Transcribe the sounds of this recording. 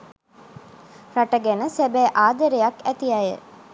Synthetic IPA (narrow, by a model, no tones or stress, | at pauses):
raʈəɡænəsæbæːʔaːd̪əɾejakæt̪ijajə̰